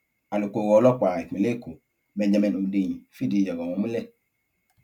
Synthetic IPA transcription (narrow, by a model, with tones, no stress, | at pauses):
a˨lo˨koː˨ɣɔ˨˦lɔ˦kʷa˨e˨i˨le˦ko˨ | bɛ˨d͡ʒa˨mɛ̃˨no˨de˨ɲ˨fi˦˨di˨d͡ʒa˨ɡɔ˨mũ˨˦mu˦lɛ˦